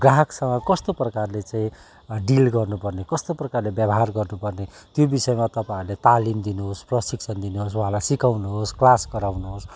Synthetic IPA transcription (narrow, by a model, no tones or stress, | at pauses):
ɡraɦksʌŋʌkʌst̪oprʌkarlet͡saĩ | ɖilɡʌrnupʌrnekʌst̪oprʌkarlebjʌbʌɦarɡʌrnupʌrne | t̪jobisʌjmat̪ʌpailet̪alimd̪inuɦosprʌsiksʰʌnd̪inuɦos̬wuɦãlajsikawnuɦosklaskʌɾawnuɦos